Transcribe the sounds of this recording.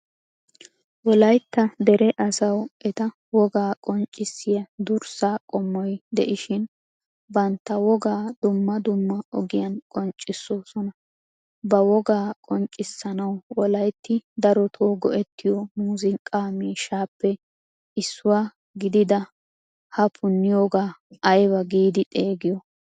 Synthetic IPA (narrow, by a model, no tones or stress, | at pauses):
wɔlɐjt̪ːɐd̪ɛɾɛʔɐsɐwɛt̪ɐ | wɔɡaːkʼɔnt͡ʃʼːɪsːɪjɐd̪ʊɾsaːkʼɔmːɔjd̪ɛʔɪʃɪn | bɐnt̪ːɐwɔɡaːd̪ʊmːɐd̪ʊmːɐɔɡɪjɐnkʼɔnt͡ʃʼːɪsːoːsɔnɐ | bɐwɔɡaːkʼɔnt͡ʃʼːɪsːɐnɐwwɔlɐjt̪ːɪd̪ɐɾɔt̪ʰoːɡɔʔɛt̪ːɪjɔmuːzɪŋkʼaːmiːʃaːpːɛ | ɪsːʊwaː | ɡɪd̪ɪd̪ɐ | hɐpʰʊnːɪjoːɡaːɐjbɐɡiːd̪ɪt̪ʼe̞ːɡɪjɔ